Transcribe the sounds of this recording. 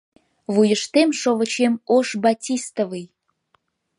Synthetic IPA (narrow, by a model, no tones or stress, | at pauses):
vujəʃt̪emʃoβə̆t͡ɕemoʃbɑtʲist̪əvɨj